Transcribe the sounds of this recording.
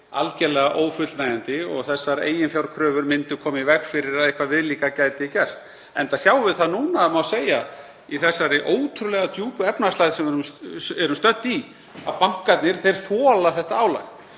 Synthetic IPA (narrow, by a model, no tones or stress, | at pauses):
a̰lcɛlɛɣaʔoːwfʏt̪lnaːjant̪ɪɔ̰ɣθɛsːaɾḛːjɪnfjawɾkʰɾœːvʏɾmɪnt̪ɪkʰɔːmɪivɛkfɪɾɪɾaðɪhkvaðvɪðliːkacaːjt̪ɪicɛ̥st̪ | ɛnt̪asjaːwvɪðθaðnuːnamawseːja | iθɛsːaɾɪʔoːwt̪ʰɾʏlɛɣat̪ʰjuːpʏɛpnast̪ajðsɛmɛɾʏmɛɾʏmst̪œt̪ːi | a̰ðpaŋ̥kat̪nɪɾ̥θejɾ̥θɔːlaθɛht̪aaːwla̰x